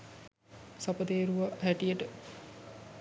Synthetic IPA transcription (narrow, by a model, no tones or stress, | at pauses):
sapəd̪eːɾuʋɐɦæʈijəʈə